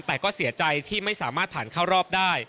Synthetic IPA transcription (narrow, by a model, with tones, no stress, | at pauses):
nt̪ɛː˨˩kɔː˥˩si˨˩˦ɐt͡ɕa˧jt̪ʰiː˥˩ma˥˩jsaː˩˦maː˥˩t̪̚pʰaː˨˩nkʰaː˥˩wɾɔː˥˩p̚daː˥˩j